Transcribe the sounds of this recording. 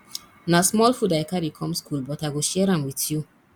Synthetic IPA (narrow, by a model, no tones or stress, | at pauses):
nasmɔlfudaɪkaɾikʰɔ̃mskʰulbɔtaɪɡoʃɛɹãmwiθju